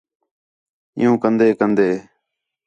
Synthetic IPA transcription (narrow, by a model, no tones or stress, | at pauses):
ɪ̰jũːkənd̪eːkənd̪eː